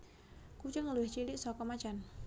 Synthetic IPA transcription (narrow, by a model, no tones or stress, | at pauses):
kut͡ʃəŋluɪht͡ʃilɪʔsɔkɔmat͡ʃan